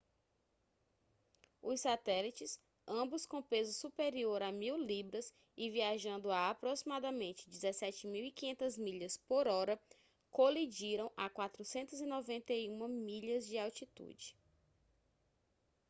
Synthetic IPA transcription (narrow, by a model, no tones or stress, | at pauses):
ʊssat̪ɛlit͡ʃɪs | ɐ̃bʊskõpezʊsupeɾioɾamiwlibɾɐs | ɪviaʒɐ̃nd̪ʊaːpɾosimad̪ɐmẽnt͡ʃɪ̥d͡ʒizɛsɛt͡ʃɪmiwikĩɲẽnt̪ɐzmiʎɐspoɾɔɾɐ | kolid͡ʒiɾɐ̃w̃ʔakwat̪ɾusẽnt̪ʊzinɔvẽnt̪eiũmɐmiʎɐzd͡ʒɪawt͡ʃit̪ṵd͡ʒɪ